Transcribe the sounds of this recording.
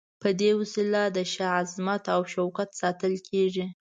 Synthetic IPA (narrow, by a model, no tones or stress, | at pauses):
pəd̪ewəsilad̪əʃaazmat̪awʃawkat̪sɑt̪əlkʰeʐi